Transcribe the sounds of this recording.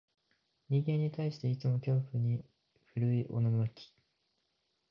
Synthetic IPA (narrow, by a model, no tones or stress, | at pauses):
ɲ̟ʲĩŋɡẽ̞ɲ̟ːit̪aiɕi̥t̪e̞it͡sɨmo̞kʲo̞ːɸɯ̟ɲ̟i | ɸɯ̟ɾɯ̟iʔo̞̰nanakʲi̥